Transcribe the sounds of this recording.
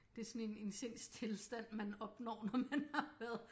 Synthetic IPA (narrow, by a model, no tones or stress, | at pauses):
d̥e̝æɐsɒ̽ne̝ne̝nse̝n̰st͡sʰe̝lsd̥æn̰mænɒ̽b̥nɒ̰ːnɒmænɑ̈ʋæɐðˠ